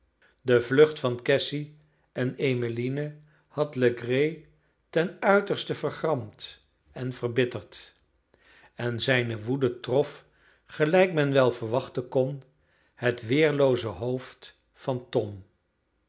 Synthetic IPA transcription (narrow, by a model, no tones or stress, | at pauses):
dəvlɵχtfɑnkɛsi | ʔɛnejməlinə | hɑtləɡrej | tɛnœɥtəɹstəv̥əχrɑmt | ɛnvərbɪtəɹt | ɛnzɛjnəʋudətrɔf | χəlɛjkmɛnʋɛlˠvəɹʋɑχtənkɔn | hətʋɪːɹlowzəɦowft | fɑntɔm